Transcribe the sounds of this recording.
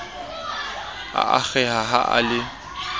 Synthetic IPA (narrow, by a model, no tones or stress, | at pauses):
a̰ʔak͡xɛɦaɦaʔa̰lɪ